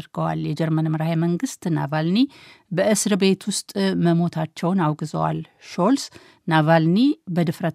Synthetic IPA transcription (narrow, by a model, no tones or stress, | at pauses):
ɾɡəwa̰ljɛd͡ʒɛɾmənməɾhajməŋɡɨst̪na̰valnibəʔɨsɾbe̞t̪ʰwʊst̪ʼməmo̞t̪ʰat͡ʃːɛwnawɡɨzə̰wa̰l | ʃo̞ls | navalnibəd̪ɨfɾə